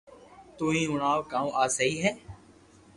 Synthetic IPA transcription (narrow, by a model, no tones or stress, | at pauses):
t̪oːɦĩːʊnaːʋkãːũːʔaːsəiːɦɛː